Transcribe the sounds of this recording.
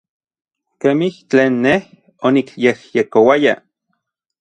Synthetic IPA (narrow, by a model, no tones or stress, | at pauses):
kemiht͡ɬeːnːeh | onikjehjekowaja